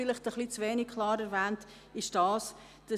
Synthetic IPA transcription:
ɪlɪχtəχlit͡sveːnik̚kʰlɑːɾɛɾvæːnt | ɪʃd̥ɑːs | d̥ɑ

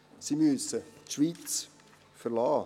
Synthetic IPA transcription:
simyəsətʃʋiːt͡s | fəɾlɑː

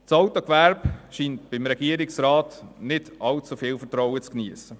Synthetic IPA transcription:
t͡sɑwtokʋæɾbʃiːnt̚b̥ɪmɾɛɡ̥iəɾɪksɾaːtnɪdɑlt͡sufɪːlfətɾɔʊwət͡skniəsə

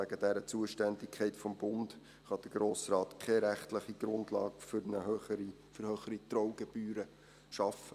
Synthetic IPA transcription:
æɡəd̥ɛɾət͡suəʃtændɪkʰɛɪtfɔmbʊnd | χɑd̪̥əɾɡ̥ɾoːsrɑːtkʰɛɾæχtləχiɡ̥ɾʊndlɑ̰ːkfnəøi | fəɾhøːχəɾit̪ɾɔwɡ̥eb̥yːɾə | ʃɑfə

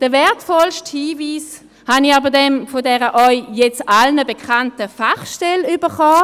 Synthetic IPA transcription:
d̥əvɛɐtfɔlʃthiːviːs | hanɪaːbədɛmfodɛːʁəʔœʏjɛt͡salnəbekʰantəfaχʃtɛlybəχaː

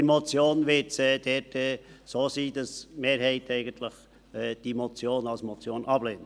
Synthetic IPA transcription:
əɾmɔt͡sjoːnʋɪtsɛːd̥ɛtɛːsoːsiːd̥ɑsmeːɾɦɛɪtɛɪɡən̩t̪ləχ | ɛd̥imɔt͡sjoːnɑlsmɔt͡sjoːnʔɑbleːnt

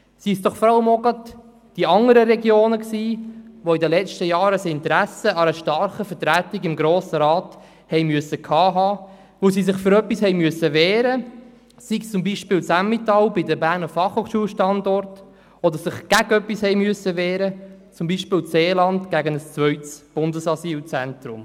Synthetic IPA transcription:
sisd̥̪ɔχfɔɾɑʊmɔɡət | d̥iɑŋəɾəɾɛɡjoːnəksiːʋoɪdəlɛt͡ʃtəjɑːɾəsɪnt̪ɾæsəɑɾəʃtɑɾχəfəɾtɾætɪɡɪmɡɾoːsəɾɑːt | hɛjmyəsəkʰɑːɦɑː | ʋosisɪχføɾœpːishɛɪmyəsəʋɛːɾə | sikt͡sʊmbiːʃpɪːlsæmmɪtɑwbɪdəbæɾnəfɑχhoːχʃuːlʃtɑndɔɾt | ɔd̪əsɪχɡ̥æɡœpːishɛɪmyəsəʋɛːɾət͡sʊmbiːʃpɪːlt͡seːlɑntɡ̥æɡənəst͡svœʏtsb̥ʊndəsɑsiːlt͡sɛntɾʊ̰m

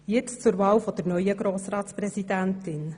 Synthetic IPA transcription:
jɪt͡st͡sʊɾvɑːwfɔd̥əɾnœʏəɡɾoːsɾɑːtspɾɛzidæntɪn

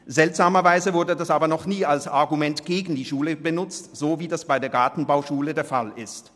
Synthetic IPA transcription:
z̥ɛltz̥aːmɐvaɪzəvʊɐdədasaːbɐnɔχniːalsaɐɡumɛntɡ̥eːɡn̩diːʃuːləbənʊt͡stz̥oːviːdasb̥aɪdeːɐɡaɐtn̩baʊʃuːlədeːɐfalɪst

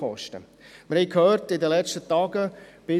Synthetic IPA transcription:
ɔ̰ʃtə̰ | məɾhɛɪkʰhœːrtɪdəlɛt͡ʃtətɑːɡəb̥ɪ

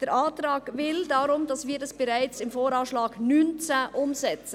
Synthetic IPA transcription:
d̥ɛɾaːtɾaːɡ̥vɪldaɾʊmdɑsviːɾɛsb̥ɛɾaɪt͡sɪmfoːɾɑːʃlaːɡ̥nyːnt͡sɛʔʊmzɛt͡sə

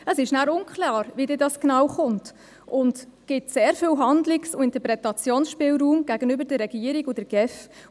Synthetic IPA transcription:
əsɪʃnæːɾʊnkʰlɑːɾvidɪːdɑsknɑːwχʊnt | ʔʊntɡ̥ɪtseːɾfyːwɦɑndlɪksʊɪntəɾpɾɛtɑt͡sjoːnsʃpɪːlɾuːmɡ̥æɡənøbəɾdəɾːɛɡiːəɾiɡʊdəɡ̥ɛf

